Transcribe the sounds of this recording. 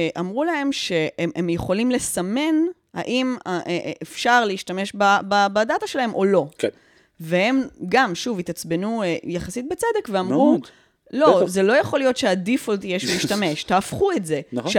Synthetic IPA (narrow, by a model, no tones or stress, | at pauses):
ʔamʁulae̞mʃe̞eemjeχo̞limle̞sɐme̞n | ha̰ʔimaːfʃaʁleiʃtame̞ʃbababadataʃelahe̞mʔo̞lo̞k | vehe̞mɡamʃuvit̪at͡sbenujaχasit̚bet͡sede̞kveammʁu | lozelo̞jaχo̞lijo̞t̪ʃeadifolt̪ijeʃiʃtame̞ʃt̪aːfχuetze̞ʃ